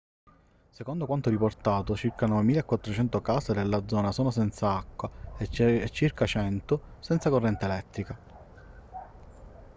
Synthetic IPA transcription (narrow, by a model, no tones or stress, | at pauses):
sekond̪okwant̪oɾiport̪aːt̪ot͡ʃirkanɔvemiːlaekːwat̪ːɾot͡ʃɛnt̪okaːsed̪elːad̪zɔːnasɔːnosɛnt̪saakːwa | et͡ʃːirkat͡ʃɛnt̪ʊsɛnt̪sakorːɛnt̪eelɛt̪ːɾika